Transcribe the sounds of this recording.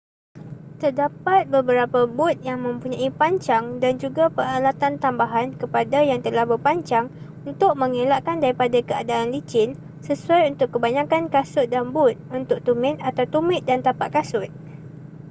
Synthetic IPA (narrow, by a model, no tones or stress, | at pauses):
t̪ərdapat̪̚bəbəɾapabʊt̪̚jaŋmə̃mpuɲãipaɲt͡ʃaŋdand͡ʒuɡapəɾalat̪ant̪ambaɦankəpadajaŋt̪əlahbərpaɲt͡ʃaŋ | unt̪ʊk̚mə̃ŋelaʔkandaɾipadakəa̰daːnlit͡ʃɪn | səsuajunt̪ʊkːəbaɲãkankasʊt̪̚danbʊt̪̚unt̪ʊk̚t̪umɪ̃t̪̚at̪awt̪umɪ̃t̪̚dant̪apaʔkasʊt̪̚